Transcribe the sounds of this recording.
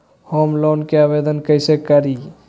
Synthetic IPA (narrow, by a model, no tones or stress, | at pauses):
homlonkeabed̪ənkəjsekəɾi